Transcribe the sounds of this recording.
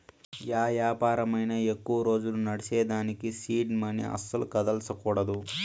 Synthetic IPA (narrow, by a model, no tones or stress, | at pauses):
jaːjaːpaːɾɐmɐjnɐe̞kːuʋɐɾo̞ːd͡ʒulunɐɽisɛːd̪aːnikisiːɖmɐnḭɐ̰sːɐlukɐd̪ɐlsɐkuːɽɐd̪u